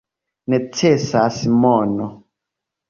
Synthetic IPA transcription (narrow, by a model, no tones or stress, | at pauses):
nɛtʰesasimɔnɔ